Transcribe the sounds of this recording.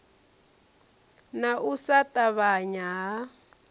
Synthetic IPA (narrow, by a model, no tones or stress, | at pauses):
naʔusataβaɲaɦa